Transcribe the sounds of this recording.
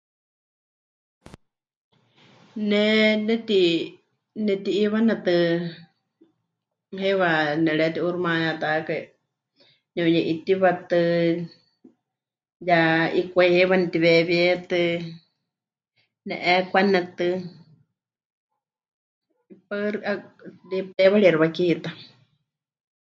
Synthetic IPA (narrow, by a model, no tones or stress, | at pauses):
nɛnɛt̪i | nɛt̪iːβanat̪ɨ | heβanɛɺɛt̪iʔuɾmãjat̪akai | ɲõjɛʔit̪iβat̪ɨ | jaikʷaihɛβanɛt̪iβɛβɛt̪ɨ | nɛ̰ʔɛkʷanɛt̪ɨ | paɾʔalipt̪ɛβaɺiɛɾβakit̪a